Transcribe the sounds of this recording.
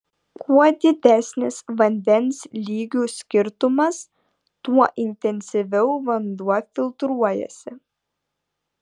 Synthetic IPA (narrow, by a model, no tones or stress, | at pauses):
kʰuɔd̪ʲɪd̪ʲæˑsʲnʲɪsʋɐnʲd̪ʲɛnʲslʲiːɡʲuːˑsʲkʲɪɾt̪ʊmɐs | t̪uɔʔɪnʲt̪ʲɛnʲsʲɪʋʲɛʊʋɐnd̪uɔfʲɪlˠt̪ɾuɔjɛ̰sʲɪ